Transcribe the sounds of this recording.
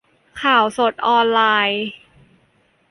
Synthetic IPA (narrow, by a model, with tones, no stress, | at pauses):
kʰaː˨˩wso˨˩t̪̚ʔɔː˧nlaː˧j